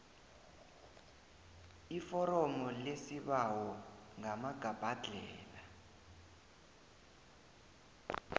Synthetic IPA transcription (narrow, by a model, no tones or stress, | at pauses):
ifɔɾɔmɔlesiβawɔŋamaɡ̥ʱab̥ʱad͡ɮʱɛːla